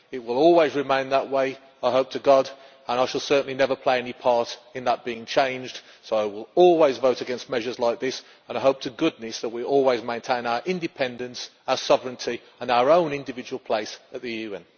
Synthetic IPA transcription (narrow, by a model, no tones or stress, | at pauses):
ɪt̚wɪlˠɔlˠwizɹɪmẽɪ̃nðəʔweɪ | aɪɦoʊp̚tʰɨɡɑd | ə̃ñaɪʃəlˠsɜ˞ʔn̩linɛvə˞pʰl̥eɪɛnipʰɑɹɾɨ̃nðət̚b̥iɪ̃ŋt͡ʃʰẽɪ̃nd͡ʒd̥ | soʊaɪwɪlˠɔlˠwizvoʊɾɨɡɛ̃nst̚mɛʒə˞zlaɪk̚ðɪs | ə̃naɪɦoʊp̚tʰɨɡʊdⁿnɨsðəʔ̚wiɔlˠwizmẽɪ̃ntʰẽɪ̃naʊə˞ʔɪ̃ndɨpʰɛ̃ndɨ̃ns | aʊəsɒvɹɨ̃ntʰi | ə̃naʊə˞õʊ̃nɪ̃ndɨvɪd͡ʒəwəl̩ˠpʰl̥eɪsət̪̚ðɨjʉɛ̃n